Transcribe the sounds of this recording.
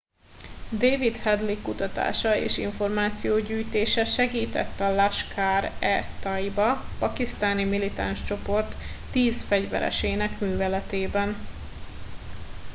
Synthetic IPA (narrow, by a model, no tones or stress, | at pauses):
d̪eːvit̪hɛd̪likːut̪ɒt̪a̰ːʃɒḛːʃḭɱfo̞rmaːt̪sijoːɟyːjt̪eːʃɛʃɛɡiːt̪ɛ̰t̪ːɒlaʃkʰaːɾɛt̪ɒjibɒpɒkist̪aːnimilit̪a̰nʃt͡ʃo̞po̞rt̪ː | iːzfɛɟvɛ̰ɾɛ̰ʃeːnɛkmyːvɛlɛt̪eːbɛn